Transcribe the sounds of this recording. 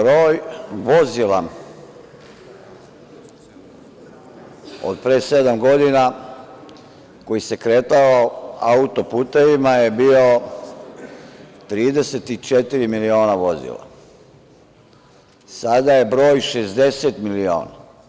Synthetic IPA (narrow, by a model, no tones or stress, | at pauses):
bɾoːjʋo̞zila | o̰d̪̚pɾeːsed̪amɡo̞d̪ina | ko̞jise̞kɾeːt̪aaaut̪o̞puːt̪eʋimaje̞biːo̞ | t̪ɾiːd̪e̞set̪it͡ʃet̪iɾimilio̞ːnaʋo̞zḭlˠa̰ | sad̪aje̞bɾo̞ːjʃezd̪e̞set̪milioːna̰